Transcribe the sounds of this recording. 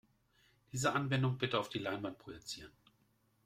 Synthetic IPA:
d̥iːzəʔanvɛndʊŋbɪtəaʊfd̥iːlaɪnvant̚pʁ̥ojɛt͡siːʁən

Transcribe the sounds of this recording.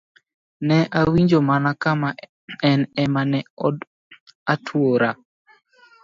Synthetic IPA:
nɛʔawiɲd͡ʒomanakama | ɛnɛmanɛɔ | atʰwoɾa

